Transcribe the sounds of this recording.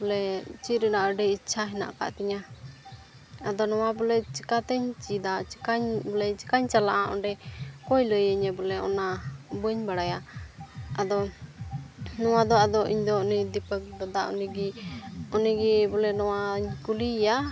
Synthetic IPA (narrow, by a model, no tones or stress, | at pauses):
bɔlɛt͡ʃiɾənaʔəɖɛitːt͡ʃʰaɦɛna̰ʔka̰ʔt̪ɛɲa | ad̪ɔnɔwabɔlɛt͡ʃikat̪ɛɲt͡ʃid̪at͡ʃkaɲbɔlɛt͡ʃi̥kaɲt͡ʃalaʔaʔɔ̰ɖɛkɔjləjəɲɛbɔlɛʔɔ̰nabəɲbaɽaja | ad̪ɔ | nɔwad̪ɔad̪ɔʔiɲd̪ɔɔnid̪ipək̚ɡad̪aʔɔ̰niɡiɔniɡibɔlɛnɔwaɲkulija